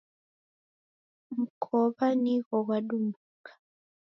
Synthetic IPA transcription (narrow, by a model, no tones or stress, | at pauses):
m̩kʰɔβaniɣɔɣwaɗumbukḁ